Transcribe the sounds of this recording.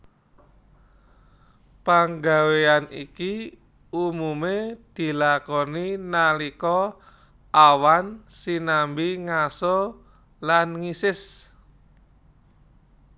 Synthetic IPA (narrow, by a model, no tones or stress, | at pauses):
paŋɡaweanḭki | umumed̪̥i̤lakɔninalikɔ | ʔawansinambiŋasɔ | lanŋisɪs